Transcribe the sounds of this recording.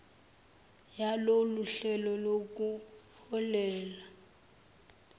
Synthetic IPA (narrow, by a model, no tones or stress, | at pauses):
jaloluɬɛlɔlok̬ʼuhɔlɛːla